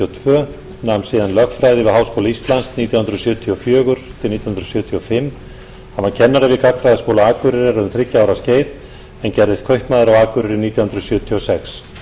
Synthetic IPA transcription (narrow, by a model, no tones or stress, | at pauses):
ɔt̪ʰvœː | nansiːðanlœxtfɾajðɪvɪhaːwskowlaist̪lanst̪niːt̪jahʏnɾʏsjœːt̪ʰiɔfjœːɣʏɾ̥t̪ʰɪlniːt̪jhʏnɾsjœːt̪ʰiɔfɪmː | hanvaɾcʰɛnːaɾɪvɪkak̪fɾajðaskoːwlaaːkʏɾɪɾɪɾʏmθɾɪcːaawɾasceːjð | ɛncɛɾðɪst̪̚kʰœjht̪maːðɪɾawaːkʏɾɪɾɪniːt̪jahʏnɾʏsjœːt̪ʰiɔsɛks